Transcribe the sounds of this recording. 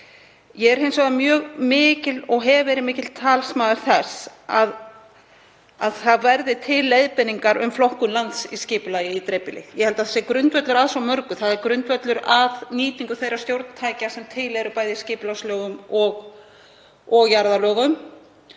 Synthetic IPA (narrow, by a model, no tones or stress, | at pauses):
jɛɣɛɾhejnsɔɣamjœːɣmɪːcɪlɔɣɦɛvvɛːɾɪmɪːcɪtl̥t̪ʰaːlsmaːðaɾ̥θɛsað | aðθaðvɛɾðɪt̪ʰɪlːejðpɪnːiŋkaɾʏ̰mflɔhkʏmlant̪siscɪːpʏlaːjɪit̪ɾepɪlɪjɛhɛlt̪aθɛsɛɾkɾʏnt̪vœt̪lʏɾaðsawmœɾkʏθaðɛɾkɾʏnt̪vœt̪lʏɾaðniːt̪iŋkʏθejɾast̪jowɾt̪nt̪ʰaːjcasɛmt̪ʰɪlɛɾʏpaːjðɪscɪːpʏlawslœːɣʏmɔɣ | ɔɣjaɾðalœːɣʏm